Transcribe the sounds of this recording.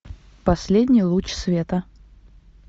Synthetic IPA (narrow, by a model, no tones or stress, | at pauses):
pɐsʲlʲedʲnʲɪjlˠut͡ɕsvʲet̪ə